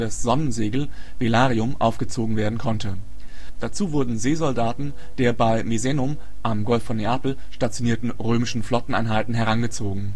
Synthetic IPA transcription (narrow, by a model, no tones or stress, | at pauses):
d̥asz̥ɔnənzeːɡl̩velaːʁiʊmʔa̰ʊfɡ̥ət͡soːɡŋ̩veːɐdn̩kʰɔntʰə | d̥at͡suːvʊɐdn̩zeːzɔldaːtn̩ | d̥eːɐbaɪmizɛnʊm | ʔamɡɔlfːɔnːeaːpl̩ | ʃtat͡sjoniːɐtn̩ʁøːmɪʃn̩flɔtn̩ʔa̰ɪnɦaltn̩ɦɛʁ̞anɡət͡soːɡŋ̩